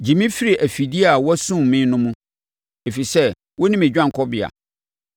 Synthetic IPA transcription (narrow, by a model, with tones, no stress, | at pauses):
d͡ʑi˨mĩ˦fi˦ɾi˨ʔæ˨fi˨di˦a˨wɔ˦sũ˦˨mɪ̃˦nʊ̃˦mũ˦ | e˨fi˨sɛ˦ | wɔ˦nĩ˦me˨d͡ʑᶣã˦ŋ̩˨kʰɔ˦bɪ˨a̰˨